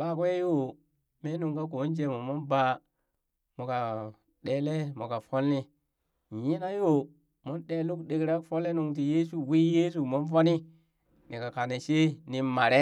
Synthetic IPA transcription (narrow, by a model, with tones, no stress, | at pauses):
ɓa˦kʷe˦jo˦ | me˦nu˨ŋka˦ko˨˦n˦d͡ʒe˨mo˨mo˦nba˨ | mo˨ka˨ | ɗe˦le˦mo˨ka˨fo˦lːi˦˨ | ji˦na˦jo˦ | mo˦nɗe˨lu˦kɗe˨kɾa˦kfo˦le˦nu˨ŋt̬i˨je˦s̬u˨wi˦je˦s̬u˨mo˦nfo˦ni˦ | ni˨ka˨ka˨ne˨ʃe˦ni˨ma˨ɾe˦